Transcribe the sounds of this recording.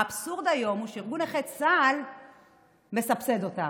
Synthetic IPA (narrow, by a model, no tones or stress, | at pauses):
bsuʁd̪ajo̞muʃeiʁɡuneχet̪sal | me̞sapse̞d̪o̞ta